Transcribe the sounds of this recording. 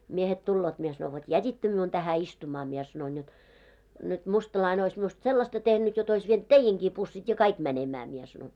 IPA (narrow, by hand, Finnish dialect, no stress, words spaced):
miehet tulːoːt mie sɑno ʋot jætʲitːø miun tæhæ istumɑ mie sɑnoin jot nyt mustɑlɑine ois miust selːɑstɑ tehnyt jot ois ʋient teijeŋkiː pusːit jɑ kɑik mænemæː mie sɑnoin